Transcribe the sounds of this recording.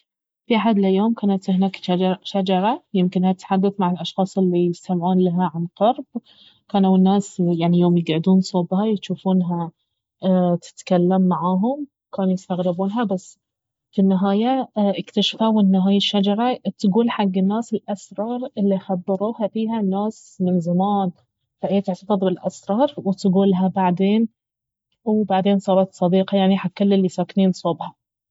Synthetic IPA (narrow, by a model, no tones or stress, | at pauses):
fiaħad̪lajːoːmkaːnat̪hnaːkʃad͡ʒɑɾˤɑjɪmkɪnhat̪ħad̪ːaθmaʕɪlʔɑʃxɑːsˤɪlːijɪst̪amʕuːnlaɦaʕanqɑɾˤb̚ | kaːnawɪnːaːsjaʕnijoːmjɪɡʕɪd̪uːnsˤobhajʃuːfuːnɦa | t̪ʰɪ̥t̪kalːamːaʕaːɦʊmwkaːnujɪst̪aɣɾɪbuːnɦabasː | finːɪɦaːjaʔɪkt̪aʃfawɪnːɪɦaːjaʃːad͡ʒɑɾˤɑt̪ɡuːlħaɡːɪnːaːsɪlʔasɾˤɑːɾˤɪlːixabːɪɾuːhafiːhanːaːs | mɪnzamaːn | faʔeːt̪ɪʕt̪ɑfɑðˤbɪlʔasɾˤɑːɾˤwɪt̪ɡuːlɦabaʕd̪eːn | wbaʕd̪eːnsˤɑːɾˤɑt̪sˤɑd̪iːqɑjaʕniħakːʊlːɪlːisaːkniːnsˤobhɑ